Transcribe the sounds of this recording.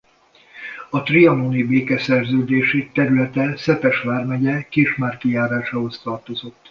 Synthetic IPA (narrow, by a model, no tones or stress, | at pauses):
ɒt̪riɒnoːnibeːkɛsɛrzøːd̪eːʃit̪ɛɾylɛt̪ɛsɛpɛʃʋaːrmɛɟɛkiʃmaːrkijaːɾaːʃaːɦo̞st̪ɒrt̪o̞zo̞t̪ː